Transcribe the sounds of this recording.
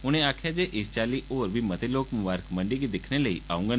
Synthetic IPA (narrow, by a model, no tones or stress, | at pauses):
uñẽakʰad͡ʒeʔist͡ɕaliʔoːɾbʱimət̪ʰeloːkmuʋaːɾəkməɳɖikid̪ekʰñeləḭa̰ũŋɡən